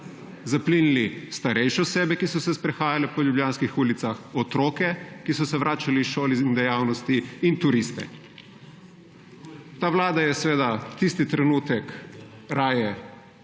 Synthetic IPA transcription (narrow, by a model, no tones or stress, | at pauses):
zapliːnilist̪aɾɛjʃɛɔseːbɛkisɔsɛspɾɛxaːjalɛpɔljubljaːnskixuːlit̪saxɔt̪ɾoːkɛkisɔsɛʋɾaːt͡ʃaliʃoːliind̪ɛjaːwnɔst̪iːnt̪uɾist̪ɛ̰ | t̪aːʋlaːd̪ajɛsɛʋeːd̪at̪ist̪it̪ɾɛnuːt̪ɛk | ɾaːjɛ